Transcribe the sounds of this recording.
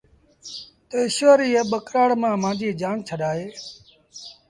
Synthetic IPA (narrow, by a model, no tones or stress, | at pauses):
t̪əːɪʃʋəːɾiːeɓəkɾaːɽmãːmãːnd͡ʒiːd͡ʒaːnt͡ʃʰəɗaːɦeː